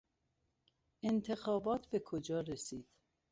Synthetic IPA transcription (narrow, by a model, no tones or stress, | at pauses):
ent̪ʰe̞xɒːbɒːt̪ʰbe̞kʰod͡ʒɒːɾesiːd̪̥